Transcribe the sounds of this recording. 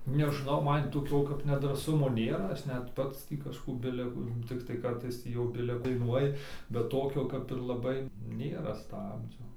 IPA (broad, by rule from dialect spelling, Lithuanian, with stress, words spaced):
nʲɛʒˈnɐʊ ˈmɐn toːˈkʲoː kɐp nʲɛdrɑːˈsʊmoː ˈnʲeːrɐ ˈɐʃ nʲɛt ˈpɐts tʲiː kɐʃˈkuː ˈbʲɪlʲɛ kʊ tʲɪkˈtɐɪ ˈkɐrtɐɪs ˈtʲiː jɛʊ ˈbʲɪlʲɛ dɐɪˈnuɔjɪ bʲɛt ˈtoːkʲoː kɐp ɪr lˠɐˈbɐɪ ˈnʲeːrɐ ˈstɑːbʲd͡ʒʲoː